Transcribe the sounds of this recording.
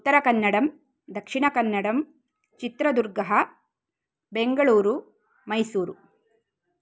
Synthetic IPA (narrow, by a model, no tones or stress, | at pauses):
ut̪ːɐɾɐkɐnːɐɽɐm | d̪ɐkʂiɳɐkɐnːɐɽɐm | t͡ʃit̪ɾɐd̪uɾɡɐɦɐ | beŋɡɐɭuːɾu | mɐjsuːɾu